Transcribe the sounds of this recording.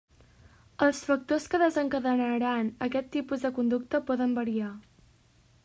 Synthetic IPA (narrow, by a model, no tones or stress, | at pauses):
əlˠsfək̚t̪oskəðəzəŋkəðənəɾanəkɛt̪ːipuzðəkund̪uk̚t̪əpɔðəmbəɾia